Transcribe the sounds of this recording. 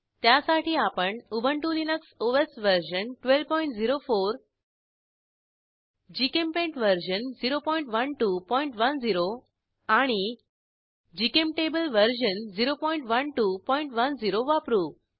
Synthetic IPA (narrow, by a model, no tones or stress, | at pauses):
t̪jasaʈiːapəɳubʱəɳʈulinəksoʋesʋəɾɕənʈʋelpɔiɳʈd͡ziɾofoɾ | d͡ʑikempẽɳʈʋəɾɕənd͡ziɾopɔiɳʈʋənʈupɔiɳʈʋənd͡ziɾo | aɽ̃i | d͡ʑikemʈebəlʋəɾɕənd͡ziɾopɔiɳʈʋənʈupɔiɳʈʋənd͡ziɾoʋapɾu